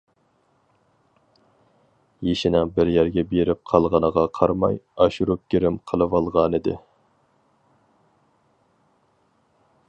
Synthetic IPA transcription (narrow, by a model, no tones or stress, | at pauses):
jeʃinɪŋbɪɾjæɾɡʲɛbeɾɪp̚qʰɑlˠʁɑnəʁɑqʰɑɾmɑ̰jɑʃuɾup̚ɡʲiɾɪmqʰəlˠɨvɑlˠʁɑnɨd̪ɪ̰